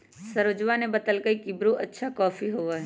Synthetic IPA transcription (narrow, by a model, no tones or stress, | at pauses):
sɐɾod͡ʒʋanebɐt̪əlkəikibɾoʔɐtːʃʰakɔːfiɦoːʋaɦɛ